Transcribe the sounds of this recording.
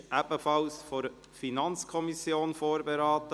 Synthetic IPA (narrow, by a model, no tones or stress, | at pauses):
ʔæbəfɑlsfɔɾ | finɑnt͡skʰɔmisjoːnfoːɾbeɾaːt̪ə